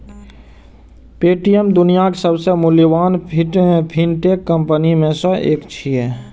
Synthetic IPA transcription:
peːʈijəmd̪ʊnijakesəbsemʊliʋaːnpʰiʈẽpʰinʈekːə̃mpənimẽsəeːkt͡ʃʰie

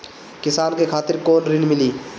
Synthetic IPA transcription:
kɪsaːnkekʰaːt̪ɪɾkoːnɾɪnmɪliː

